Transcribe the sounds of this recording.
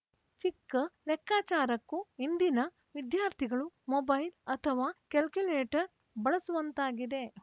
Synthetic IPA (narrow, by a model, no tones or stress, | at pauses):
t͡ʃikːɐlɛkːaːt͡ʃaːɾɐkːuind̪inɐ | ʋid̪jaːɾt̪ʰiɡɐɭumobɐjlɐt̪ʰɐʋaːkɐlkjuleːʈɐɾ | bɐɭɐsuʋɐnt̪aːɡid̪e̞